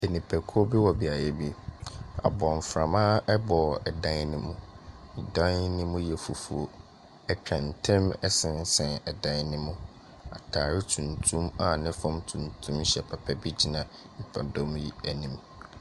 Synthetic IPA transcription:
e˨nĩ˨pʰɛ˨kʰu˦o˦bɪ˦wɔ˨bi˨a˨jɛ˦bi˦˨a̰˨bɔ̃˨ɱ˨fɾã˨mã˦ʔɛ˦bɔ˨ɛ˨dã˦nnɪ̃˦mũ˦˨dã˦nnɪ̃˦mʊ̃˦jɛ˨fu˨fu˨o˦ | ɛ˦t͡ɕᶣã˨n̩˨tʰɛ̃˦mɛ˦sɪ̃˨n˦sɛ̃˨nɛ˨dã˦nnɪ̃˦mʊ̃˦ | a̰˨tʰaː˨ɾɪ˦tʰũ˨ntʰũ˦ma˨nɪ̃˦fɔ̃˦mtʰũ˨ntʰũ˦mɕɛ˨pʰa˨pʰɛ˦bi˦d͡ʑi˦nã˨ | m̩˨pʰa˨dɔ̃˦mji˦æ˨nĩ˨m

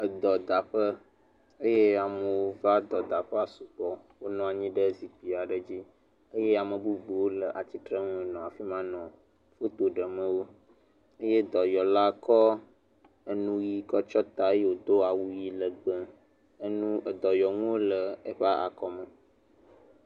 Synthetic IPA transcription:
ə˨d̪ɔ˨d̪a˨ɸə˦ | e˦je˦a˨mə˨wo˦va˦d̪ɔ˨d̪a˨ɸə˦a˨su˨k͡pɔ˨ | wo˦nɔ̃˦a˨ɲĩ˦ɖə˦zi˨k͡pi˨a˨ɖə˨d͡ʑi˦ | e˦je˦a˨mə˨bu˦bu˨wo˦lə˨ʔa˨t͡ɕi˦t̪ɾə˦ŋũ˦˨nɔ̃˨a˨fi˦mã˦nɔ̃˨ | fo˦t̪o˨ɖə˨mə̃˦wo˦ | e˦je˦d̪ɔ˨jɔ˨la˦kɔ˦ | ə˦nũ˦ji˦kɔ˦t͡ʃɔ˦t̪a˨˦je˦wo˨d̪o˦a˨wu˦ji˦lə˨ɡ͡bə̃˦ | nũ˦˨d̪ɔ˨jɔ˨ŋũ˦wo˦lə˨e˦ɸa˦a̰˨kɔ˦mə̃˨

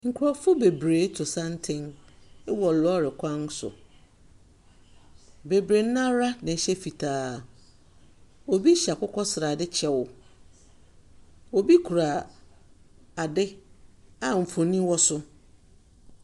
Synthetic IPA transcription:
ŋ̩˨kʰʊ˨ɾɔ˨fʊ˦be˨bɾeː˨˦tʰʊ˨sã˦n˦tʰɪ̃˦n˦ | wɔ˨lɔ˦ɾɪ˨kʷʰã˦n˦sʊ̰˨ | be˨bɾe˨n̩˦ã˦ɾa˦nã˨ɕɛ˦fi˨tʰaː˨ | o˨bi˦ɕa˨kʊ˦kʰɔ˦sɪ˨ɾa˨dɪ˦t͡ɕʰɛ˦wʊ˨ | o˨bi˦kʰu˨ɾa˨ | a˨dɪ˦ | a˨m̩˨fõ˨nĩ˦wɔ˦sʊ˦

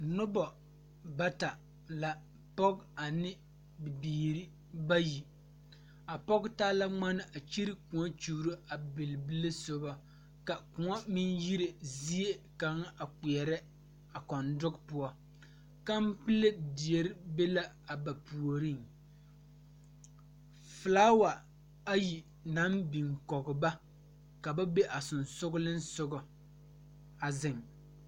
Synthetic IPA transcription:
nʊ˦bɔ˨ | ba˦ta˨ | la˨ | pɔ˦ɡa˨nɪ˦ | bɪ˨biː˨ɾi˦ | ba˦ji˨ | a˨pɔ˦ɡtaː˦la˦ŋ͡ma˦nɪ˦ʔa˨t͡ʃi˦ɾi˦ku˨ɔ˦t͡ʃuː˨ɾɨ˦a˨bɪ˨lbɨ˦le˦so˦ba˦ | ka˨kʊ˨ŋɔ˦mi˦nji˦ɾe˨zi˦e˦ka˨ŋ˦a˨k͡pi˨ɛ˨ɾɛ˦ | a˨kɔ˨ndʊ˦kpʊ˦ɔ˦ | ka˦m˦pɨ˦le˦di˨e˦ɾɪ˦be˦la˦ | a˨ba˨pu˨o˨ɾi˦ŋ | fɨ˨laː˦wa˨ | a˦ji˨ | na˨˦mbi˨ŋkɔ˨ɣɪ˨ba˦ | ka˨ba˦be˦ʔa˨sʊ˨nsʊ˦ɡlɪ˦n̩˦sʊ˦ɡʊ˨ | a˨zɪ˨ŋ

